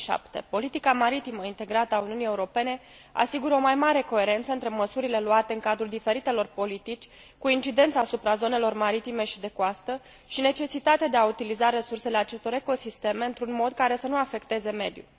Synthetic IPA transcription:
ʃa̰pt̪e̞̰po̞lit̪ikamaɾit̪iməint̪e̞ɡɾat̪əauniunije̞uɾo̞pe̞ne̞ | a̰siɡuɾəo̞majmaɾe̞ko̞e̞ɾe̞nt̪səɨnt̪ɾe̞məsuɾile̞luat̪e̞ɨŋkad̪ɾuld̪ife̞ɾit̪e̞lo̞rpo̞lit̪it͡ʃʲ | kuint͡ʃid̪e̞nt̪saːsupɾazo̞ne̞lo̞rmaɾit̪imeʃid̪e̞koast̪ə | ʃine̞t͡ʃe̞sit̪at̪ead̪e̞aut̪ilizaɾe̞surse̞le̞at͡ʃe̞st̪o̞ɾe̞ko̞sist̪e̞me̞ɨnt̪ɾunmo̞d̪̚kaɾe̞sənuafe̞kt̪e̞ze̞me̞̰d̪jṵl

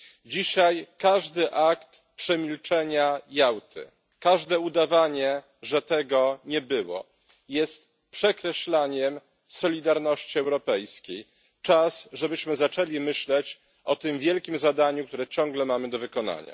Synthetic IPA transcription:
d͡ʑiɕajkaʐd̪ɘʔakt̪ | pʂɛmʲilt͡ʂɛɲajawt̪ʰɘ̰ | kaʐd̪ɛud̪avaɲɛ | ʐɛt̪ɛɡɔɲɛbɘwɔ̰ | jɛst̪ | pʂɛkɾɛɕlaɲɛm | sɔlʲid̪aɾnɔɕt͡ɕiɛwɾɔpɛjskʲej | t͡ʂasʐɛbɘɕmɘzat͡ʂɛlʲimɘɕlɛt͡ɕ | ʔɔt̪ɘmvʲjɛlkʲimzad̪aɲuk̚t̪uɾɛt͡ɕɔŋɡlɛmamɘd̪ɔvɘkɔna̰ɲa̰

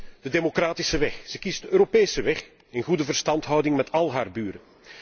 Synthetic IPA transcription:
d̥ədeːmokraːtɪsəʋɛxz̥əkizdəøːɾopeːsəʋɛx | ɪnɣudəvərstɑntɦɔwdɪŋmɛtɑlˠɦaːrbyːɾə

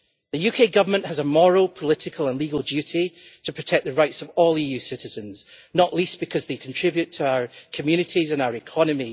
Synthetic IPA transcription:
ðəjʉkʰeɡʌvə˞mə̃nʔhəzəmɔɹəlˠpʰəlˠɪʔɪkʰəlˠə̃nlˠiɡəlˠd͡ʒjʉʔitʰəpʰɹ̥ətʰɛk̚ðəɹaɪtsəvɔlˠiːjʉsɪʔɪzə̃nz̥nəʔlˠisb̥ɪkʰʌzðekʰə̃ntʰɹ̥ɪbjʉtʰəaʊə˞kʰəmjʉñɪʔizə̃naʊə˞ɪkʰɔnəmi

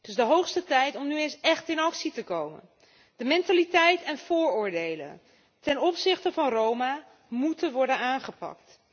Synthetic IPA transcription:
d̥ɵzdəɦowχstətɛjtɔmnyejnsɛχtɪnɑksitəkowmə̰n | d̥əmɛntalitɛjtɛnv̥ʊːɹʊːɹdejlə̰n | tɛnɔpsɪχtəvɑnrowma | mutənʋɔɹdənaːnχəpɑ̰k̚t

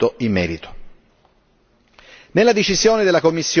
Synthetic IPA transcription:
oimːɛːɾit̪o̥ | nelːad̪et͡ʃizjoːned̪elːakomːisːj

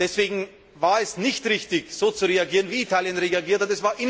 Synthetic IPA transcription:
d̥ɛsv̥eːɡŋ̩ | vaːɐɛsnɪçtʁɪçtɪçz̥oːt͡suʁeaɡiːʁənviːtʰaːljənʁeaɡiːɐthatɛsv̥aːɐʔɪn

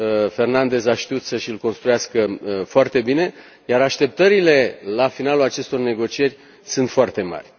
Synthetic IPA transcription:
fe̞rnand̪e̞zaʃt̪iut̪səʃilko̞nst̪ɾujaskəfoart̪e̞bine̞ | jaɾaʃt̪e̞p̚t̪əɾile̞lafinalulat͡ʃe̞st̪o̞rne̞ɡo̞t͡ʃije̞rʲ | sɨnt̪foart̪e̞ma̰rʲ

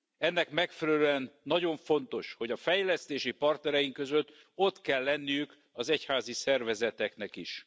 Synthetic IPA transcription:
ɛnːɛkmɛkfɛɾɛløɛnːɒɟo̞ɱfo̞n̪t̪o̞ʃho̞ɟɒfɛjlɛst̪eːʃipɒrt̪nɛɾɛjiŋkø̞zøt̪ː | o̞t̪kɛlːɛnːijyk | ɒzɛchaːzisɛrvɛzɛt̪ɛknɛkiʃ

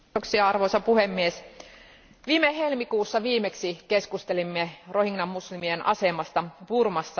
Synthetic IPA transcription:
oksiɑɑrʋo̞jsɑpuhemːies | ʋiːmeɦe̞lmikuːsːɑʋiːmeksike̞skust̪e̞limːero̞hiŋnɑmːuslimienʔɑ̰se̞mɑst̪ɑpurmɑsːɑ

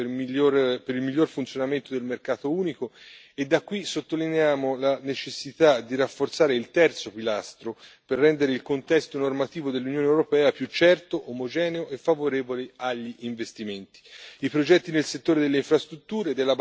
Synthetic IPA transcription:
oɾpeɾilmiʎːorfunt̪sjonament̪od̪elmerkaːt̪ouːniko | ed̪ːakːwisot̪ːolineaːmolanet͡ʃesːit̪ad̪iɾafːort̪saːɾeilt̪ɛrt̪sopilast̪ɾoperːɛnd̪eɾeilkont̪ɛst̪onormat̪iːvod̪elːunjoːnewɾopɛːapjut͡ʃːɛrt̪oʔomod͡ʒɛːneoʔefːavoɾeːvoleaʎːiʔiɱvest̪iment̪i̥ipɾod͡ʒɛt̪ːinelset̪ːoːɾed̪elːeiɱfɾast̪ɾut̪ːuːɾed̪elːa

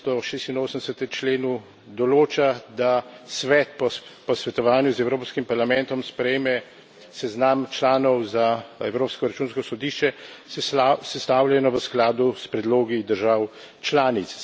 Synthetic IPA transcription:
t̪ɔʃeːst̪inoːsənd̪ɛsət̪ɛt͡ʃleːnu | d̪ɔloːt͡ʃad̪asʋɛt̪̚pɔpɔsʋɛt̪ɔʋaːnjuzɛwɾoːpskimpaɾlamɛnt̪ɔmspɾɛjeːmɛ | sɛznamt͡ʃlaːnɔwzaɛwɾoːpskɔɾat͡ʃuːnskɔsɔd̪iːʃt͡ʃɛ | sɛst̪aːwlʲjɛnɔʋəsklaːd̪uspɾɛd̪loːɡid̪əɾʒaw | t͡ʃlaːnit̪s

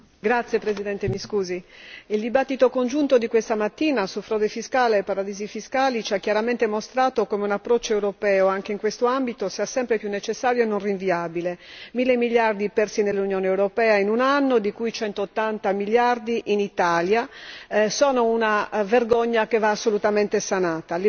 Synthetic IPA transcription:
ɡɾat̪sːjepɾezid̪ɛnt̪emiskuːziild̪ibat̪ːit̪okond͡ʒunt̪od̪ikwest̪amat̪ːiːnasufɾɔːd̪efiskaːleːpaɾad̪iːzifiskaːlit͡ʃiakjaɾament̪emost̪ɾaːt̪okomeunapːɾɔt͡ʃːoewɾopɛːoaŋkeiŋkwest̪oambit̪osiːasɛmpɾepjunːet͡ʃesːaːɾjoenːonriɱviaːbilemilːemiljard̪ipɛrsinelːunjoːneewɾopɛːainunanːod̪ikujt͡ʃɛnt̪oːt̪ːant̪amiljard̪iʔinit̪aːlja | sɔːnounaverɡoɲːakevaːsːolut̪ament̪esanaːt̪al

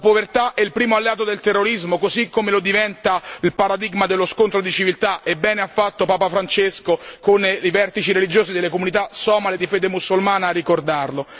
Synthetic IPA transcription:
lapovert̪aʔɛilpɾiːmoalːeaːt̪̬od̪elt̪erːoɾizmokozikːomelod̪ivɛnt̪ailpaɾad̪iɡmad̪elːoskont̪ɾod̪it͡ʃivilt̪aʔebːɛːneafːat̪ːopaːpafɾant͡ʃeskokonivɛrt̪it͡ʃiɾelid͡ʒoːsid̪elːekomunit̪̬asɔːmaled̪ifɛːd̪emusulmaːnaːrːikord̪arlo

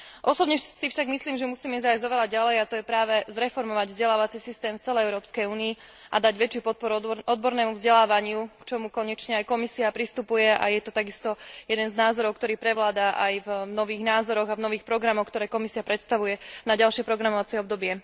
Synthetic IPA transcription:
ʔɔsɔbɲɛsifʃaɡmisliːmʒɛmusiːmɛɛzajzzɔʋɛʎaɟalɛjat̪ɔjɛpɾaːʋɛzɾɛfɔɾmɔʋaɟvzɟɛlaːʋat͡sisist̪ɛːmft͡sɛlɛjɛʊɾɔːpskɛjuːniː | ʔad̪aɟʋɛt͡ʃjupɔt̪̚pɔɾuɔd̪bɔɾnɛːmuvzɟɛlaːʋaɲɪukt͡ʃɔmukɔɲɛt͡ʃɲɛajkɔmisiapɾist̪upujɛʔa̰jɛt̪ɔt̪aɡist̪ɔjɛd̪ɛnznaːzɔɾɔʊk̚t̪ɔɾiːpɾɛʋlaːd̪aʔajvnɔʋiːɣnaːzɔɾɔɣavnɔʋiːxpɾɔɡɾamɔxk̚t̪ɔɾɛːkɔmisiapɾɛt̪st̪aʋujɛnaɟalʃɪɛpɾɔɡɾamɔʋat͡sɛɔb̚d̪ɔbɪɛ

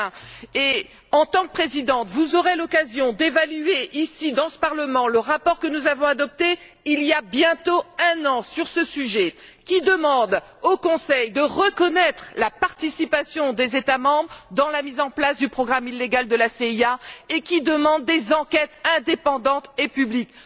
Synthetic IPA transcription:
e | ɑ̃t̪ɑ̃k̚pχezid̪ɑ̃t̪vuzɔʁelɔkazjɔ̃d̪evalyeʔisid̪ɑ̃sə̥paʁləmɑ̃ləʁapɔʁkənuzavɔ̃ad̪ɔp̚t̪e | ilijabjɛ̃t̪oɛ̃nɑ̃syʁsəsyʒɛkʲid̪əmɑ̃d̪ | okɔ̃sɛjd̪əʁəkɔnɛt̪χlapaʁt̪isipasjɔ̃d̪ezet̪amɑ̃bʁd̪ɑ̃lamizɑ̃plasd̪ypχɔɡʁamilːeɡald̪əlaseiaekʲid̪əmɑ̃d̪̚ːezɑ̃kʲɛt̪ɛ̃d̪epɑ̃d̪ɑ̃t̪epyblik

